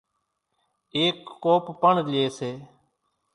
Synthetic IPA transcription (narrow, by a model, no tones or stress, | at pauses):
eːkːoːppəɳleːseː